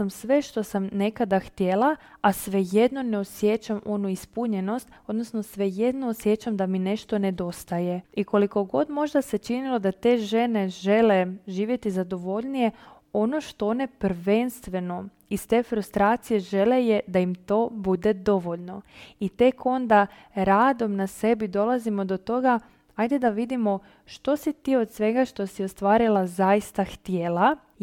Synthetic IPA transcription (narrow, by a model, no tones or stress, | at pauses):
amsʋe̞ʃt̪o̞samne̞kad̪axt̪je̞laasʋe̞je̞d̪no̞ne̞osje̞t͡ɕamʔo̞nuispuɲe̞no̞st̪o̞d̪no̞sno̞sʋe̞je̞d̪noːsje̞t͡ʃamd̪amine̞ʃt̪o̞ne̞d̪o̞st̪aje̞iko̞liko̞ɡo̞d̪mo̞ʒd̪ase̞t͡ʃinilo̞d̪at̪e̞ːʒe̞ne̞ʒe̞le̞ʒiːʋje̞t̪izad̪o̞ʋo̞ʎnije̞ | o̞no̞ʃt̪o̞one̞pɾʋe̞nst̪ʋe̞no̞ | ist̪e̞ːfɾust̪ɾaːt̪sije̞ʒe̞lejed̪ajimt̪o̞ːbud̪e̞d̪o̞ʋo̞ʎno̞it̪e̞ko̞nd̪a | ɾaːd̪o̞mnase̞bid̪o̞lazimo̞d̪o̞t̪o̞ɡa | ajd̪ed̪aʋid̪imo̞ | ʃt̪o̞sit̪io̞d̪sʋe̞ɡaʃt̪o̞sio̞st̪ʋaːɾilˠazaist̪axt̪jeːla